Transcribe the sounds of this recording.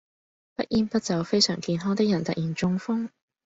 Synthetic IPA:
pɐ˦˥t̚ʔiː˥npɐ˥t̚t͡sɐ˨˧wfe˥jsœː˨˩ŋkiː˧nɦɔː˥ŋt̪ɪ˥k̚jɐ˨˩nt̪ɐ˨t̚jiː˨˩nt͡sʊ˧ŋfʊ˥ŋ

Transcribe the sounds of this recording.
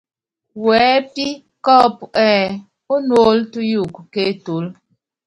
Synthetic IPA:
wɛː˨˦pi˦ | kɔ˦˨pɛː˦ | o˦nwo˦ltu˦ju˦˨kke˦to˨˦l

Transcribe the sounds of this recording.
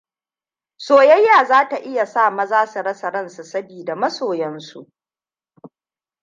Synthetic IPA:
soː˨jɐ˦jːaː˨zaː˦ta˨ʔɪ˦ja˨saː˦˨mɐ˦zaː˦sɐ˨ɽɐ˦sɐ˨ɾɐ˦nsu˨sɐ˦biː˨da˨mɐ˦soː˨jɛ˦nsṵ˨ʔ

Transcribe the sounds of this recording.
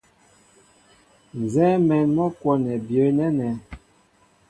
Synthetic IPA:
n˨zɛː˦mɛ˨nmɔ˦kwɔ˨nɛ˨bjə˨˦nɛ˦nɛ˨˦

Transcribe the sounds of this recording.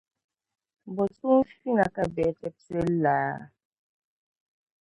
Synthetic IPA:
bɔ˨su˦fi˦na˨ka˦bɛ˨tɛ˦p̚se˦laː˨˦

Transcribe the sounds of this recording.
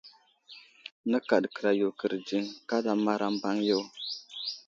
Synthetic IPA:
nə˦ka˨dkə˨ɾa˨jo˨kə˨ɾd͡ʒi˦ŋka˦da˨ma˦ɾʔa˦m˦ba˦ŋjo˦w

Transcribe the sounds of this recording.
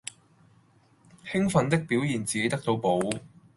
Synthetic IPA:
hɪ˥ŋfɐ˨˧nt̪ɪ˥k̚piː˨˥wjiː˨˩nt͡siː˨ke˨˥jt̪ɐ˥k̚t̪o˧wpo˨˧w

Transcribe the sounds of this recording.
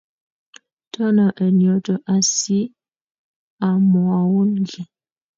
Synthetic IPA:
tʰə˦nə˨ʔə˨njɔ˨tə˨ʔa˨si˦ | a˨mwa˨wu˦nɡɛ˨

